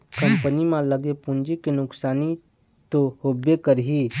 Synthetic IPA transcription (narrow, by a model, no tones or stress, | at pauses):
kə̃mpənimãləɡepũɲd͡ʒikenʊksaːni | t̪ohʊbːekəɾɦi